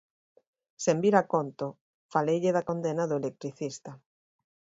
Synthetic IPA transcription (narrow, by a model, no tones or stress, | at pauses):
sembiɾakont̪o | falejʎɪðakond̪enaðʊelek̚t̪ɾiθist̪a